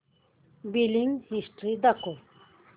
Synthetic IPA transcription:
biliŋɡhisʈɾid̪ɐko

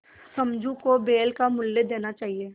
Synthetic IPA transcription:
sɐmd͡ʒʱũkobeːlkamʊlːed̪eːnat͡ʃaːɦieː

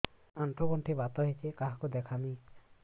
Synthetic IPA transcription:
ant̪ɔɡɔɳʈʰibat̪ɔɦet͡ʃʰekaɦakud̪ekʰami

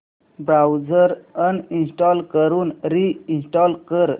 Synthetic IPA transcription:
bɾawd͡zəɾəninsʈɔlkəɾuːnɾiinsʈɔlkəɾ

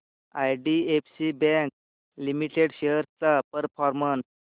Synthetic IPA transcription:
ajɖiefsibɛ̃k̚ | limiʈeɽɕeɦəɾt͡sapəɾfɔɾməns

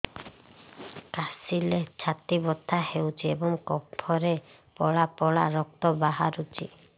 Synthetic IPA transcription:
kasilet͡ʃʰat̪ibɔt̪ːahewt͡ʃʰiebɔŋkɔpʰːɔɾe | pɔɭapɔɭa̰ɾɔk̚t̪ɔbaɦa̰ɾut͡ʃʰḭ

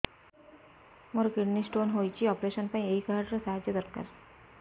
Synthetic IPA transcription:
moɾkiɽnisʈonɦojt͡ɕiɔpɾeʃənpaĩeikaɦaɖɾɔsaɦad͡ʑjəd̪əɾka̰ɾ

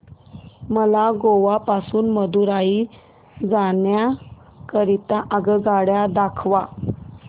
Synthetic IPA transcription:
məlaɡoʋapasuːnməd̪uɾai | d͡zaɳja | kəɾit̪aʔəɡəɡaɽjad̪akʰʋa

